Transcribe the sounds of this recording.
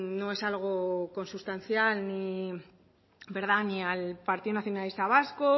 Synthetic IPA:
no̞e̞salɣ̞o̞kõ̞nsust̪an̟θjalni | be̞ɾð̞anialpaɾt̪iðonaθjo̞nalist̪aβ̞asko

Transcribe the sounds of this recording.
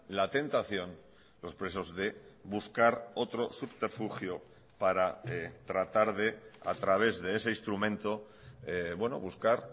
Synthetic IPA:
lat̪e̞nt̪aθjo̞n | lo̞spɾe̞sozðe̞βuskaɾo̞t̪ɾo̞supt̪eɾfuxjo | paɾaet̪ɾat̪aɾðe̞a̰t̪ɾaβ̞e̞zðeese̞inst̪ɾumẽ̞nt̪o | ebwe̞no̞̰βuskaɾ

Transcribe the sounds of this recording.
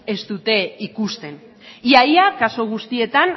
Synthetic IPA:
e̞st̪ut̪e̞ikust̪e̞n | iajakaso̞ɣ̞ust̪ie̞t̪an

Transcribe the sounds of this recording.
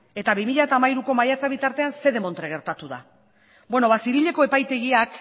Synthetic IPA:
e̞t̪aβimiʎat̪aːmaiɾuko̞majat͡saβit̪aɾt̪e̞anse̞ðe̞mo̞nt̪ɾeɣe̞ɾt̪at̪uða̰ | bwe̞no̞βasiβ̞iʎe̞ko̞e̞pajt̪e̞ɣiak

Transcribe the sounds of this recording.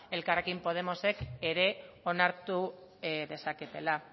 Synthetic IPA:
e̞lkare̞kimpo̞ð̞e̞mo̞se̞ke̞ɾe̞ | o̞naɾt̪u | ðe̞saket̪e̞la

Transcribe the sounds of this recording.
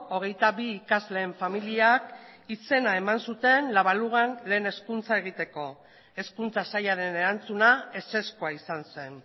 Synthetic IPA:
oɣ̞e̞jt̪aβiːkazle̞ːɱfamiliakise̞nae̞mansut̪e̞nlaβaluɣanle̞ːne̞skunt͡saeɣ̞it̪e̞ko̞ | e̞skunt͡sasajaɾe̞ne̞ɾant͡sunae̞se̞skoaisanse̞n

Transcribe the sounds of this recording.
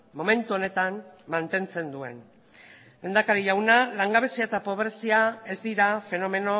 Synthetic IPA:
mo̞me̞nt̪uo̞ne̞t̪ammant̪e̞nt͡se̞nd̪ue̞̰n | lend̪akaɾiʎawnalaŋɡaβ̞e̞siaet̪apo̞βɾesiae̞zd̪iɾafe̞no̞me̞no̞

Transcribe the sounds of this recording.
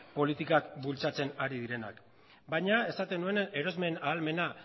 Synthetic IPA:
po̞lit̪ikakbult͡sat͡se̞naɾið̞iɾe̞na̰k | bajɲae̞sat̪e̞nue̞ne̞ɾo̞zme̞naːlme̞na

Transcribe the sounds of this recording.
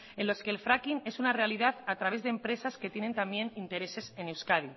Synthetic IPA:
e̞nlo̞ske̞ːlfɾakine̞sunare̞aliðaθat̪ɾaβ̞e̞zðempɾe̞saske̞t̪je̞ne̞nt̪ambje̞nint̪e̞ɾe̞se̞se̞newskaði

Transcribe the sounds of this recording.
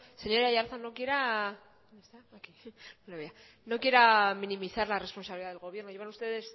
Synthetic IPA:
seɲo̞ɾeajaɾθanokje̞ɾa | est̪akiolaβia | nokjeɾaminimiθaɾlare̞spo̞nsaβiliðaðeɣo̞β̞je̞ɾnoeβanust̪e̞ðe̞s

